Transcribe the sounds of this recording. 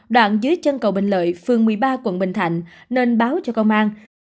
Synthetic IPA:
ɗwa̰ː˧˨nzɨ˨˦jt͡ɕə˧nkə˨˩wɓï˧˨˩ŋ̟lə̰ː˧˨jfɨ˨˩əŋmɨ˨˩əjɓaː˧kwə̰˧˥nɓï˧˩ŋ̟t̪ʰa̰˧˨jŋ̟ | neː˧nɓaː˨˦wt͡ɕɔ˧kə˧wŋ͡mʔaː˧n

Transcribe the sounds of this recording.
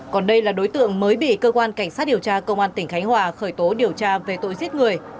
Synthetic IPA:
kɔ˨˩nɗə˧jlaː˨˩ɗo˨˦jt̪ɨ̰˧˨əŋməː˨˦jɓḭ˧˨kəː˧kwaː˧nka˧˩jŋ̟saː˦˥t̚ɗi˨˩əwt͡ɕaː˧kə˧wŋ͡mʔaː˧nt̪ï˧˩ŋ̟xa˨˦jŋ̟hwaː˨˩xəː˧˩jt̪o˨˦ɗi˨˩əwt͡ɕaː˧ve˨˩t̪o̰˧˨jzi˦˥t̚ŋɨ˨˩əj

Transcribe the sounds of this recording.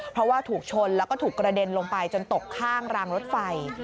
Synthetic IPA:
pʰɾɔ˦˥waː˥˩t̪ʰuː˨˩k̚t͡ɕʰo˧nlɛː˦˥wkɔː˥˩t̪ʰuː˨˩kɾa˧de˧nloː˧ŋpa˧jt͡ɕo˧nt̪o˨˩kʰːaː˥˩ŋɾaː˧ŋɾo˦˥t̪̚fa˧j

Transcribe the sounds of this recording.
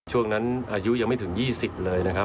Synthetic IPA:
t͡ɕʰu˥˩əŋna˦˥nʔaː˧ju˦˥ʔja˧ŋma˥˩jt̪ʰɯ˩˦ŋjiː˥˩si˨˩p̚lɤː˧jna˦˥kʰa˦˥

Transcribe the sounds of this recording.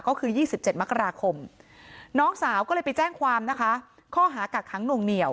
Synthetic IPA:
kɔː˥˩kʰɯː˧jiː˥˩si˨˩p̚t͡ɕe˨˩t̪̚m˦˥kːa˧ɾaː˧kʰo˧m | nɔː˦˥ŋsaː˨˩˦wkɔː˥˩lɤː˧pa˧jt͡ɕɛː˥˩ŋkʰwaː˧mna˦˥kʰa˦˥ | kʰɔː˥˩ɦaː˩˦kaː˨˩kʰːa˦˥ŋnu˨˩ŋni˨˩əw

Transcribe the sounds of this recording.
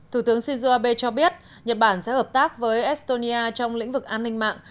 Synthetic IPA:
t̪ʰu˧˩t̪ɨ˨˦əŋsi˧nzu˧ʔaː˧ɓe˧t͡ɕɔ˧ɓi˦˥ət̚ | ɲə˨˩t̚ɓaː˧˩nsɛ̰˧˥həː˨˩p̚t̪aː˦˥k̚vəː˨˦jʔɛ˦˥st̪o˧ni˧ʔaː˧t͡ɕɔ˧wŋ͡mlḭ˧˥ŋ̟vɨ˨˩k̚ʔaː˧nːï˧ŋ̟ma̰ː˧˨ŋʔ

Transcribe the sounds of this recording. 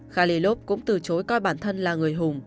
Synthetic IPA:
xaː˧li˧lo˦˥p̚kʊ̰˧˥ŋ͡mt̪ɨ˨˩t͡ɕo˨˦jkɔ˧jɓaː˧˩nt̪ʰə˧nlaː˨˩ŋɨ˨˩əjɦʊ˨˩ŋ͡m

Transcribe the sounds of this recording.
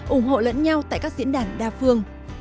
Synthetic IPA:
ʔʊ˧˩ŋ͡mɦo̰˧˨lə̰˧˥nɲa˧wt̪a̰ː˧˨jkaː˦˥k̚zḭ˧˥ənɗaː˧˩nɗaː˧˩fɨ˧əŋ

